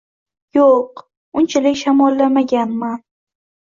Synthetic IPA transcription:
joq | ʊnt͡ʃʰalɪkʲʃamɒlːamaɡʲanman

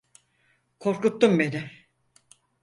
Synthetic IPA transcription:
kʰo̞ɾkut̪ːumbenɪ

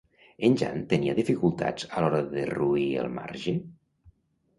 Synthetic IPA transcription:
ənʲd͡ʒa̰nt̪əniəðifikulˠt̪a̰d͡zəlɔɾəðəruiə̰lˠma̰ɾʒi

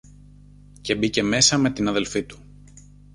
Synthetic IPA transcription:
ce̞bice̞me̞sɐme̞t̪inɐðe̞lfit̪u̥

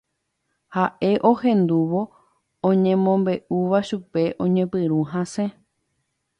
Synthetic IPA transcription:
haʔe̞ʔo̞hẽ̞nd̪uʋo̞ | õɲẽmõmbe̞ʔuʋaʃupe̞ʔõ̞ɲẽpɨɾũɦãsẽ

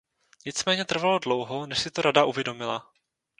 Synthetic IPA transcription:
ɲɪt͡smɛːɲɛt̪r̩valodlo̞wɦo̞nɛʃsɪt̪oɾadaʔuvjɛdo̞mɪla

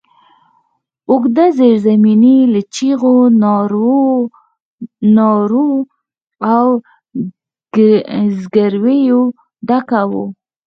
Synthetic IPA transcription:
ʊɡd̪azeɾzaminilat͡ʃiɣonɾ | nɑɾu | aw | zɡaɾwejo | ɖakawo̰

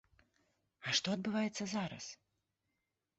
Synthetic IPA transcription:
ɐʂt̪ɔɐd̪̚bɨvajɛt̪sːɐzaɾɐ̰s

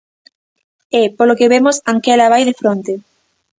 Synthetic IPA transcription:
ɛpolokeβemosaŋkɛlaβajðefɾont̪e

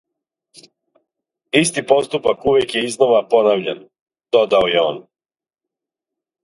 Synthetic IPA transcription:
ist̪ipo̞st̪upakuʋekjeizno̞ʋapo̞naʋʎan | d̪̥o̞d̪aojeo̰ːn

